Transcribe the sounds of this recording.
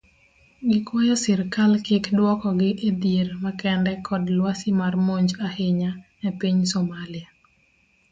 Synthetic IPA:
ɡɪkwɔjɔsɪrkalkɪkdwɔkɔɡɪʔed̪jeɾmakɛndɛkʰɔdlwasɪmarmoɲd͡ʒahɪɲanɛpiɲsomalɪa

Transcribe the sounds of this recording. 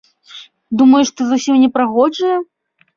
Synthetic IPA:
d̪umɐjuʂt̪ɨzusʲimnʲɛpɾaɣɔd͡ʐɐjɐ

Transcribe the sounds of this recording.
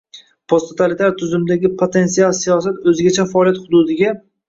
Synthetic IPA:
pʰost̪ʰot̪ʰalit̪ʰaɾt̪ʰʊzɪmd̪aɡʲɪpʰot̪ʰe̞nsialˠsijɒsat̪ɵzɪɡʲat͡ʃʰafaɒːlˠijat̪hʊd̪ʊd̪ɪɡʲa

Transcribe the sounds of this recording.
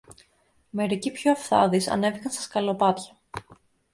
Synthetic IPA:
me̞ɾicipçoɐfθɐ̰ðisɐ̰ne̞vikɐnst̪ɐ̥skɐlopɐt̪çɐ̥

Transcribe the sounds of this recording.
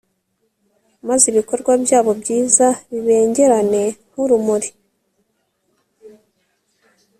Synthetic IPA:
maziβiko̞ɾɡwabjaːβo̞bɟiːzaβiβe̞ːɲɟe̞ɾane̞m̥uɾumuɾi

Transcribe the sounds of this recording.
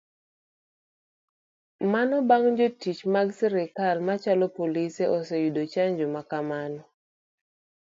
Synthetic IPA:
manɔbaŋd͡ʒotit͡ʃmaɡsɛɾɛkalmat͡ʃalɔpoliseʔɔsejudot͡ʃaɲd͡ʒɔmakamanɔ

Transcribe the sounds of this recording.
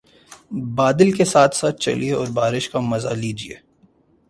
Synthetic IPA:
baːd̪ɪlkesaːt̪ʰsaːt̪̚ʰt͡ʃɐ̰lieɔːɾbaːɾɪʃkamɐza̰liːd͡ʒiḛː

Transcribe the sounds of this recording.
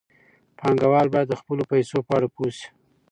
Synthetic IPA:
pʰɑŋɡawɑlbɑjad̪ːəxpəlopajsopəaɽapusi̥

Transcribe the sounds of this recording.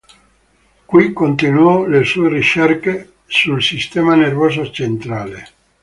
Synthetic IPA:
kwikːont̪enwɔlesuːerit͡ʃɛrke | sulsist̪ɛːmanervɔːzot͡ʃent̪ɾaːle

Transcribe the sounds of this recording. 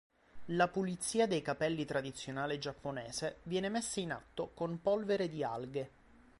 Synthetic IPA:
lapulit̪sːiːad̪ejkapɛlːit̪ɾad̪it̪sːjonaːled͡ʒapːoneːsevjɛːnemesːaina̰t̪ːokompɔlveɾed̪ia̰lɡe

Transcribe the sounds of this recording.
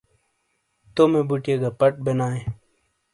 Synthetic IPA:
t̪omebuʈieɡapɐʈ̚benaːẽ

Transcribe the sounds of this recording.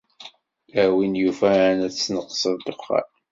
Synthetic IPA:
æwinjufænæt͡sːnəqːsəðd̪əqːa̰l

